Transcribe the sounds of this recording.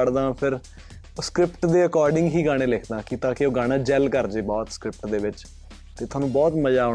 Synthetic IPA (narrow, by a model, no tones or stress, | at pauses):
əɽd̪ãːpʰɪɾ | skɾɪpʈd̪eːəkɔːɾɖɪ̃ŋɡɦiːɡaːɽ̃eːlɪkʰd̪ãːkit̪ãːkeoːɡaːɽãːd͡ʒɛlkəɾd͡ʒeːbɔːt̪skɾɪp̚ʈd̪eːʋɪt͡ʃ | t̪eːt̪oaːnũːbɔːt̪məd͡ʒaːo